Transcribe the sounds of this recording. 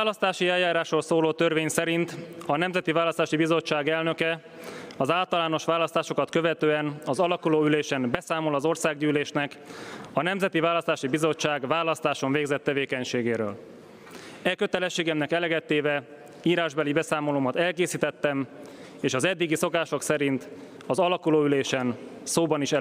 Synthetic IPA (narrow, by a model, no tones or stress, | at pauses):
aːlɒst̪aːʃiɛlːaːɾaːʃrolsoːloːt̪ørveːɲsɛɾint̪ɒnɛmzɛt̪ivaːlɒst̪aːʃibizo̞t͡ʃːaːɡɛlnø̞kɛ | ɒzaːlt̪ɒlaːno̞ʃʋaːlɒst̪aːʃo̞kɒt̪kø̞vɛt̪øːɛnɒzɒlɒkuloːyleːʃɛnbɛsaːmo̞lɒzo̞rsaːɡɟyːleːʃnɛkɒnɛmzɛt̪ivaːlɒst̪aːʃibizo̞t͡ʃːaːɡvaːlɒst̪aːʃo̞mveːɡzɛt̪ːɛveːkɛɲʃeːɡeːɾø̰ːl | ɛkøt̪ɛlɛʃːeːɡɛmnɛkɛlɛɡɛt̪ːeːvɛ | iːɾaːʒbɛlibɛsaːmo̞loːmɒt̪ɛlkeːsiːt̪ɛt̪ːɛm | eːʃɒzɛd̪ːiɡiso̞kaːʃo̞ksɛɾint̪ | ɒzɒlɒkuloːyleːʃɛn | soːbɒniʃɛ